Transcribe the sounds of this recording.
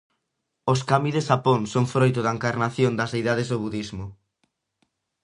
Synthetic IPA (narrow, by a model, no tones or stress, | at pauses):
oskamiðeʃapoŋsoŋfɾojt̪ʊðɐeŋkaɾnaθjond̪ɐsejðaðezðʊβuðizmʊ